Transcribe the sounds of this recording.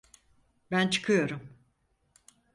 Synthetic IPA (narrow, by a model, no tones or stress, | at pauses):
bænt͡ʃʰɯ̥kʰɯjo̞ɾum